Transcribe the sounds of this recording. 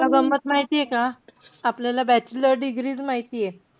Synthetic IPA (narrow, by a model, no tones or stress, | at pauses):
kaɡəmbət̪maɦit̪ijekaːpljalabɛt͡ɕiləɾɖiɡɾiːt͡smaɦit̪ije